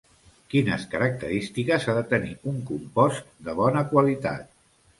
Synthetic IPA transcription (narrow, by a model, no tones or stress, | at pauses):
kinə̰skəɾək̚t̪əɾist̪ikəsaðət̪ənḭuŋkumpɔst̪̚d̪əβɔnəkwalit̪a̰t̪̚